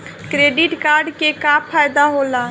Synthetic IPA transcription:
kɾeːɖɪʈkaːɾɖkekaːpʰaːjd̪aɦoːlaː

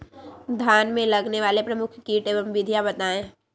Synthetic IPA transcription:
d̪ʱjaːnmẽlɐɡneʋaːlepɾɐmʊkʰkiːʈebə̃mʋɪd̪ʱijabɐt̪aːẽ

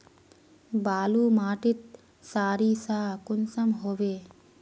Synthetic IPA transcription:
baːlumaːʈit̪̚ | saːɾisaːkunsɐmɦobe

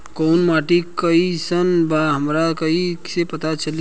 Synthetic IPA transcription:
koʊnmaʈikəisənbaɦəmɾakəiksepət̪at͡ʃəl

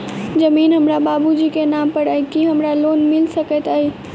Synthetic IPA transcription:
d͡ʒəmiːnɦəmɾabaːbud͡ʒikenampəɽaikiɦəmɾalonmɪlsəkət̪ai

